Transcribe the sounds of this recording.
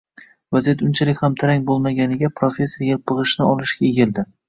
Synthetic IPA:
vazijat̪ʊnt͡ʃʰalɪkʲhamt̪ʰaɾaŋʲbolˠmaɡʲanɪɡʲapʰɾofʲe̞sʲːejelpʰɨʁɨʃnɪɒlˠɪʃɡʲaeɡʲɪld̪ɪ

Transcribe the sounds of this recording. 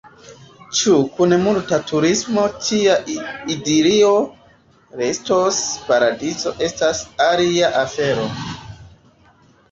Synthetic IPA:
t͡ʃukunemultatuɾismo̞tiaidiɾio̞ | ɾestospaɾadizo̞ʔe̞stasaliaʔafe̞ɾo̞̰

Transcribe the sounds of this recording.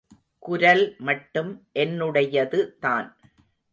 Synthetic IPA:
kʊɾɐlmɐʈːɯmʔɛnːɯɽɐjɐðɯt̪aːn

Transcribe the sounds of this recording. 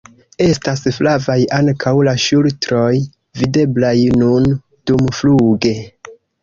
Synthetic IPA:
e̞stasflavajaŋkʰawlaʃultɾo̞j | vide̞blajnun | d̥umfluɡe̞

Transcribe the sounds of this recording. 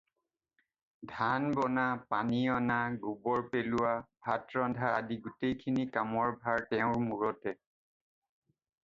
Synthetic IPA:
dʱanbɔnapaniɔnaɡubɔɹpelʊwabʱatɹɔndʱaa̰diɡutejkʰinikamɔɹbʱaɹtɛʊ̃ɹmuɹɔtɛ

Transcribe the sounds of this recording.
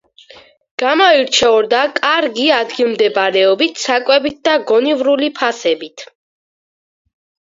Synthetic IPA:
ɡ̥amaiɾt͡ʃʰɛɔɾd̪akʼaɾɡiad̪ɡilˠmd̪ɛbaɾɛɔbit̪ʰsakʼwɛbit̪̚d̪aɡɔnivɾulipʰasɛbit̪ʰ

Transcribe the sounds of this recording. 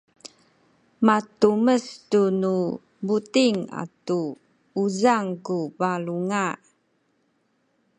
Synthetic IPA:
matuməstunu | butiŋa̰tu | uzaŋkubaluŋa

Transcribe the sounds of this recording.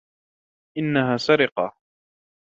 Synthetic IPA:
ʔɪnːaɦaːsaɾɪqɑ

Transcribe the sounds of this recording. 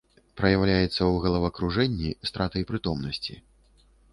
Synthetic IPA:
pɾɐjawlʲajɛt̪sːɐwɣɐlˠɐvɐkɾuʐɛnʲːist̪ɾat̪ɐjpɾɨt̪ɔmnɐsʲt͡sʲi

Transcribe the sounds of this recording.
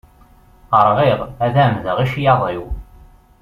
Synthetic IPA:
əɾˤʁeʁæðæmðəʁiʃjɑðˤiw

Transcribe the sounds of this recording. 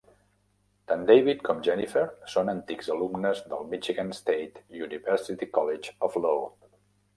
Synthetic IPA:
t̪ãnd̪ejβit̪̚kʰɔmʒɛnifeɾsonənt̪ikzəlumnəzðəlˠmit͡ʃiɣanst̪ejt̪juniβɛɾsit̪ikɔled͡ʒɔflo

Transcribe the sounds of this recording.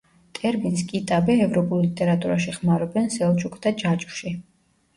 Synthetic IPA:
t̪ʼɛɾbins̬kʼit̪ʼabɛɛvɾɔpʼulˠlit̪ʼɛɾat̪ʼuɾaʃiχmaɾɔbɛnsɛlˠt͡ʃʰukʰd̪ad͡ʒat͡ʃʼʃi

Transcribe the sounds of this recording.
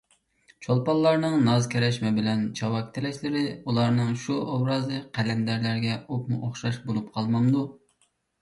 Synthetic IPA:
t͡ʃʰolˠpɑlˠːɑɾnɨŋnɑzkʲʰɛɾɛʃmɛbɪlɛnt͡ʃʰɑwɑkʲt̪ʰɪlɛʃlɪɾɪulˠɑɾnɨŋʃuʔɑbɾɑzɨqʰælɛmd̪æɾlæɾɡʲɛop̚mṵʔoχʃɑʃbolˠupqʰɑlˠmɑmd̪u

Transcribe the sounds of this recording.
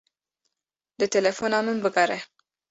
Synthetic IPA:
d̪ət̪elefonamənbəɡaɾe

